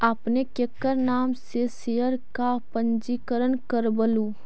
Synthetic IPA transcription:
apnekekːəɾnaːmsesejəɾkapənd͡ʒikəɾənkəɾbəlu

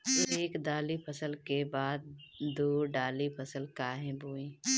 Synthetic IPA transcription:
eːkd̪aːlipʰəsəlkebaːd̪̚d̪oːɖaːlipʰəsəlkaːɦɛ̃buːĩː

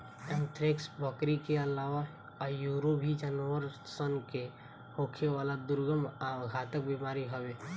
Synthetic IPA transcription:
ɛ̃nt̪ʰɾeksbəkɾikeəlaːʋa | juːɾobʱid͡ʒənʋəɾsənke | hoːkʰeʋaːlad̪ʊɾɡəmaɡʱaːt̪ək̚bimaːɾiɦəʋe

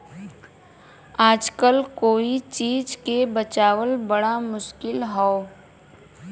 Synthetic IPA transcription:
aːd͡ʒkəlkoːit͡ʃiːd͡ʒkebət͡ʃaːwəlbɐɽamʊʃkɪlɦɔː

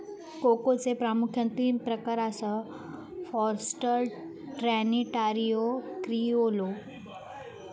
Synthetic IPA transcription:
kokot͡sepɾamukʰjənt̪iːmpɾəkaɾasə | fɔɾsʈəɾ | ʈɾæniʈaɾijokɾiolo

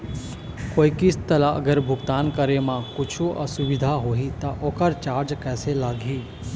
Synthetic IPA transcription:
koːikɪst̪əlaʔɐ̰ɡəɾbʱʊɡt̪aːnkəɾemãkʊt͡ʃʰuʔə̰sʊʋɪd̪ʱaɦoːɦit̪aʔoːkəɾt͡ʃaːɾd͡ʒkɛːselaːɡʱiː

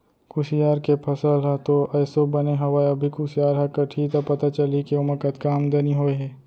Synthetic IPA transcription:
kʊsijaːɾkepʰɐsəlɦɛt̪oɛːsobɐneɦɐwaːɐbʱikusɪjaːɾɦɛkɐʈʰit̪apɐt̪at͡ʃɐlikiʊmɐkət̪kaːmd̪eːniɦoːeɦɛː

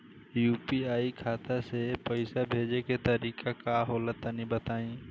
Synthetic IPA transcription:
juːpiaːikʰaːt̪asepəɪsabʱeːd͡ʒeket̪əɾiːkʰakaɦɔːlət̪ənĩbət̪aːĩː

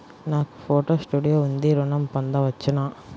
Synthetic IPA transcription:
nãːkfoːʈoːsʈuːɽɪjoːʊnd̪iːɾʊnɐmpɐnd̪aːʋɐt͡ʃːɯnãː

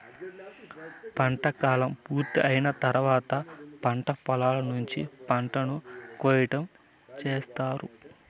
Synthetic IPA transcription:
pɐɳʈɐkaːlɐmpuːɾt̪iʔɐjinɐt̪ɐɾuʋaːt̪ɐpɐɳʈɐpɐlaːlɐnuɲt͡ʃipɐɳʈɐnukoːjiʈɐm | t͡ʃeːst̪aːɾu

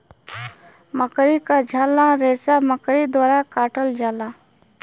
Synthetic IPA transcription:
məkɾikad͡ʒʱaːlaɾeːsaməkɾid̪waːɾakaːʈəld͡ʒaːlaː

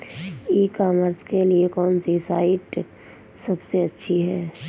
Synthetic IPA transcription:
iːkaːməɾskeliekɔːnsisaːɪʈ | sɐbseɐtːʃʰiɦɛː

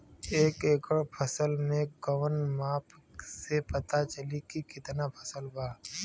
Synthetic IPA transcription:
eːkeːkəɽpʰəsəlmeɡəwənmaːpʰsepət̪at͡ʃəlikikɪt̪napʰəsəlbaː

